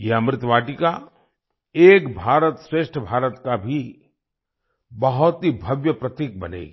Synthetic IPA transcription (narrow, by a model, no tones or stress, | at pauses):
jeɐmɾɪt̪ʋaːʈika | eːkbʱaːɾət̪sɾeːʃʈʰəbʱaːɾət̪kabʱi | bɐɦʊt̪ɦibʱɐʋjəpɾɐt̪iːk̚bɐnḛːɡ